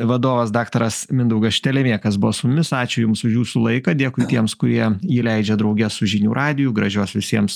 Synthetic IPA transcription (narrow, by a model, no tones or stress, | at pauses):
ʋɐd̪oːʋɐsd̪ɑːkt̪ɐɾɐsmʲɪnd̪ɐʊɡɐsʃʲt̪ʲɛlʲɛmʲeːkɐs̬bʊʋɔsʊmʊmʲɪsɑːt͡ʃʲʊjʊmsʊʃjuːsulˠɐɪkɐd̪ʲiɛkʊɪt̪ʲiɛmskʊɾʲiɛiːlʲɛɪd͡ʒʲɛd̪ɾɐʊɡʲɛssʊʒʲinʲuːɾʔɑːd̪ʲɪjʊɡɾɐʒʲuːsʋʲɪsʲiɛms